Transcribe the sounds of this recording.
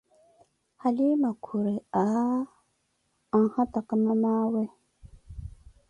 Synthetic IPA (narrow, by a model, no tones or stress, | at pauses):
halimakʰuɾea | aŋhat̪akamamawe